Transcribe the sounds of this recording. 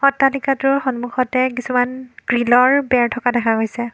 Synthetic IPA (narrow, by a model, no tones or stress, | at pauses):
xɔtːalikatʊɹxɔnmuxɔtɛkisumanɡ̥ɹilɔɹbɛɹtʰɔkadɛkʰaɡojsɛ